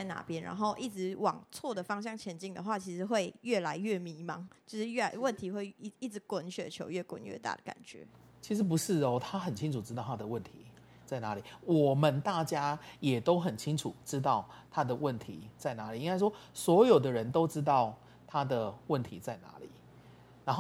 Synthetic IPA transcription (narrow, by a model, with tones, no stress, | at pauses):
a˥˩ɪna̰˧˦pjɛ˦nɻa̰˧˦nxo˥˧ʊʔi˥˩ʈ͡ʂɻ̩˧˥wɑ˨˩ŋt͡sʰwɔ˥˩d̪ə˩fɑ˥ŋɕ̬jɑ˥˩ŋt͡ɕʰjɛ˧˥nt͡ɕi˥˩ŋd̪ə˨xwa˥˩t͡ɕʰi˧˥ʂɻ̩˧˦xwe˥˧ɪɥɛ˥˩la˧˦ɪɥɛ˥˩mi˧˥mɑ˧˦ŋt͡ɕjo˥˧ʊʂɻ̩˥˧ɥɛ˥˩la˧ɪwə˥˨nt̪ʰi˨˧˦xwe˥˧ɪ˥˩i˥˩t͡s̩˧˦kwə˨˦nɕɥɛ˨˦t͡ɕʰjo̰˧˥ʊɥɛ˥˩kwə̰˨˦nɥɛ̰˥˧t̪a̰˥˩d̪ə˩ka̰˨˩nt͡ɕɥɛ̰˧˦ | t͡ɕʰi˧˥ʂɻ̩˧˥p̬u˧˦ʂɻ̩˥˨ɔ˦t̪ʰa˦xə˨˩nt͡ɕʰi˥˦ŋʈ͡ʂʰu˨˩ʈ͡ʂɻ̩˥t̪ɑ˥˨ʊa˥d̪ə˨wə˥˨nt̪ʰi˨˧˦ | t͡sa˥˩ɪna˧˦li˨˩˦wɔ˨˩mə˨˦nt̪a˥˨t͡ɕja˥jɛ˨˩t̪o˥ʊxə˨˩nt͡ɕʰi˥ŋʈ͡ʂʰu˨˩ʈ͡ʂɻ̩˥˦t̪̬ɑ˥˩ʊt̪ʰa˦d̪ə˨wə˥˨nt̪ʰḭ˨˧˦t͡sa˥˩ɪna˧˥li˨˩i˦ŋka˥ɪʂwɔ˥swɔ˧˥jo˨˩ʊd̪ə˦ɻə˨˦nt̪o˥ʊʈ͡ʂɻ̩˥t̪̬ɑ˥˩ʊ | t̪ʰa˦d̪ə˨wə˥˨nt̪ʰi˧˦t͡sa˥˩ɪna̰˧˦lḭ˨˩˦ | na˧˦nxo˥˨